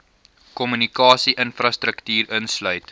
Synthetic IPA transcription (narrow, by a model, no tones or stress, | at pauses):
kɔmynikɑːsiʔənfrɐstɾəktyːɾənslœɥt